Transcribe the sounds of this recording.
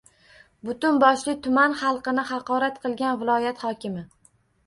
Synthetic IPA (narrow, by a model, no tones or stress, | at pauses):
bʊt̪ʊnbɒʃlɪt̪ʰʊmanχɑlˠqɨnɪhɑqɒɾat̪qʰɨlˠɡʲanvɪlˠɒjat̪hɒkʲɪmɪ